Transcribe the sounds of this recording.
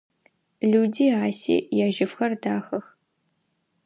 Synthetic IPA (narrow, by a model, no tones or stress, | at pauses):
ɮuːdiːaːsḛːjaːʒɪfxɐrdaːxɐx